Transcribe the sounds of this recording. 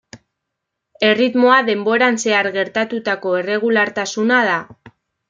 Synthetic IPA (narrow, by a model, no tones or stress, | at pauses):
e̞rit̪mo̞aðe̞mbo̞ɾanse̞aɾɣe̞ɾt̪at̪ut̪ako̞e̞re̞ɣulaɾt̪asunað̞a